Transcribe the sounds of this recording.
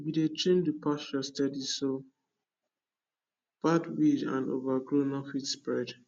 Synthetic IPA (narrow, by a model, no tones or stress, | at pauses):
bidet͡ʃẽndupʰast͡ʃɔstɛdiso | b̥adwid͡ʒã̰ndo̰vaɡɹonɔfitspɹɛd